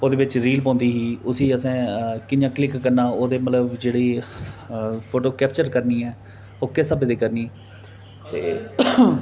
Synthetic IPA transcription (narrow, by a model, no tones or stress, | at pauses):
oːd̪eːbɪt͡ʃɾiːlpɔ̃ːnd̪iːɦiːʊsiːəsɛ̃ːkɪnjãːklɪkːəɾnãːoːd̪eːmət̪ləbd͡ʒeːɽiː | pʰoːʈoːkɛːpt͡ʃəɾkəɾniːɛː | oːkɪsəbed̪eːkəɾniː | t̪eː